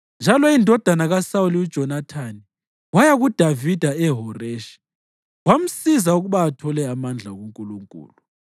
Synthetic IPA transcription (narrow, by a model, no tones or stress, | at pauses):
nd͡ʒʱalɔindʱɔd̥ʱanaɣasauliud̥ʒ̥ʱɔnatʰani | wajaɣud̥ʱavid̥ʱaɛɦɔreʃi̥ | wam̩sizauɣuβaːtʰɔlɛamand͡ɮʱaɣuŋkʼuluŋkʼṵːlu